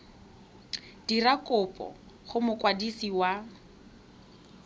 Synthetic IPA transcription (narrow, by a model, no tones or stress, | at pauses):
d̥irakʼʊpʼɔ̰ | χʊmʊkʼwadisiwa